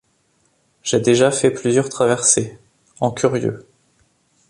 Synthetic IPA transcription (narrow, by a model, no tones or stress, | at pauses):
ʒ̥ed̪eʒafɛplyzjœʁt̪χavɛʁse | ɑ̃kʰʲyʁjø̰